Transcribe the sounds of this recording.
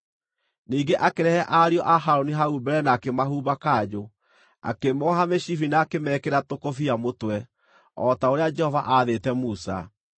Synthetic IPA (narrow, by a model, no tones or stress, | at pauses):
niːɡeʔakeɾɛhɛʔaɾiɔʔaɦaɾoniɦaubɛɾɛnaːkemaɦuːbakaːd͡ʒo | a̰kemɔɦameɕifinaːkemɛːkeɾatokofiamotwɛ | ɔtaoɾead͡ʒɛhɔva̰ʔaðetɛmusa̰